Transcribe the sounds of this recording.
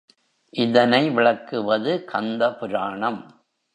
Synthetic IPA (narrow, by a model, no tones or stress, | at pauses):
ʔɪðɐnɐɪʋɪɭɐkːɯʋɐðɯkʰɐnd̪ɐpʊɾaːɳɐm